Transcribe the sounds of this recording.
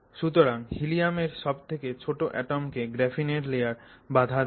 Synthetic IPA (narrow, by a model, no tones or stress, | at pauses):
ʃut̪oɾaŋhilijameɾʃɔb̚t̪ʰeket͡ɕʰoʈoʔɛ̰ʈomkeɡɾɛfineɾlejaɾbad̪ʱa